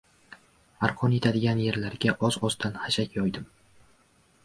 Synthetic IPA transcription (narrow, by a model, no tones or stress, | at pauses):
aɾqʰɒnje̞t̪ʰad̪ɪɡʲanjeɾlaɾɡʲaʔɒzɒzd̪anhaʃakʲjɒjd̪ɪm